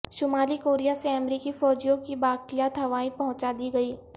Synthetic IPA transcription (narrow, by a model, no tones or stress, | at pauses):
ʃʊmaːlikoːɾijaseɐmɾiːkifɔːd͡ʒijõkibaːkɪjat̪ɦɐʋaːĩpɐɦʊ̃t͡ʃad̪iɡɐiː